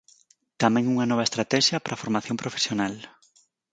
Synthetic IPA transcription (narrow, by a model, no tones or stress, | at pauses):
t̪amɛ̃ŋuŋɐnɔβ̞ɐest̪ɾat̪ɛʃjɐpɾʔafoɾmaθjõmpɾofe̥sjonal